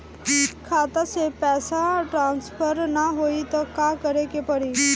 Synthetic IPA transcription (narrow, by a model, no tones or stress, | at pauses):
kʰaːt̪asepɛːsaʈɾãːnspʰəɾnaɦoːit̪ɔkakəɾekepəɽi